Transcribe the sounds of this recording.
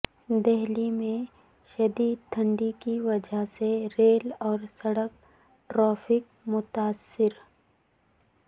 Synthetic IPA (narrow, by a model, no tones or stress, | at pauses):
d̪ɛɦlimẽ | ʃɐd̪iːd̪̚t̪ʰə̃ɳɖikiʋɐd͡ʒəɦseɾeːlɔːɾsɐɽək̚ | ʈɾɔːfʰɪk̚ | mʊt̪aːsːɪɾ